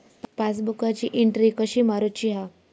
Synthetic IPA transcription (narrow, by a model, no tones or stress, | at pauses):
pat͡sbukat͡ɕiːʔiɳʈɾikəɕiːmaɾut͡ɕiɦa